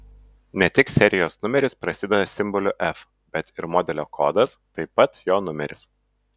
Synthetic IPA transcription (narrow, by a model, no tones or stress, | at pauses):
nʲɛt̪ʲɪksʲɛɾʲɪjoːsnʊmʲɛɾʲɪspɾɐsʲɪd̪ʲɛd̪ɐsʲɪmbɔlʲʊʔɛf | bʲɛt̪ɪɾmoːd̪ʲɛlʲoːkʰo̰ːd̪ɐst̪ɐɪpɐt̪joːnʊmʲɛɾʲɪs